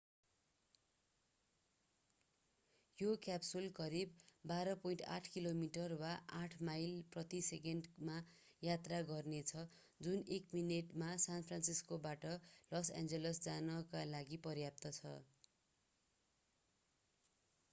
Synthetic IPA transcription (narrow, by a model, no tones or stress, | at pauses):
jokjapsulkʌɾibːaɾʌpʌinʈa̰ʈʰkilomiʈʌrwaʔaʈʰmajlprʌt̪isekeɳɖma | jat̪raɡʌrnet͡sʰʌ | d͡zunekmineʈmasanpʰransiskobaʈʌlʌsa̰nd͡zelʌsd͡zanʌkalaɡipʌɾjap̚t̪ʌt͡sʰʌ̰